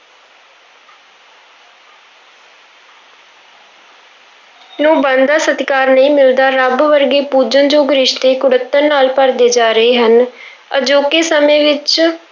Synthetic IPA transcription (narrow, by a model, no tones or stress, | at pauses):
nõːbənd̪aːsət̪kaːɾnəĩːmɪld̪aːɾəbʋəɾɡeːpuːd͡ʒənd͡ʒoːɡɾɪʃt̪eːkʊɽət̪ːəɾnaːlpəɾd̪eːd͡ʒaːɾəeːɦən | ə̰d͡ʒoːkeːsəmẽːʋɪt͡ʃ